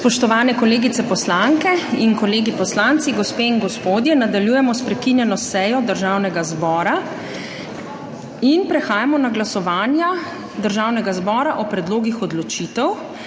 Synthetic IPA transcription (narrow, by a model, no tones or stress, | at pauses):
spɔʃt̪ɔʋaːnɛkɔleːɡit̪sɛpɔslaŋkɛinkɔleːɡipɔslant̪siɡɔspeːinɡɔspoːd̪jɛnad̪aljuːjɛmɔspɾɛkinjɛnɔsɛjɔd̪əɾʒaːwnɛɡazbɔːɾa | inpɾɛxaːjamɔnaɡlasɔʋaːnja | d̪əɾʒawnɛɡazbɔːɾaʔɔpɾɛd̪loːɡixɔd̪lɔt͡ʃit̪ɛw